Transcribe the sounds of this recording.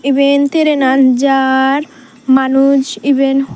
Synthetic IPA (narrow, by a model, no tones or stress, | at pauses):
ibent̪eɾenand͡ʒaɾ | manud͡ʑiben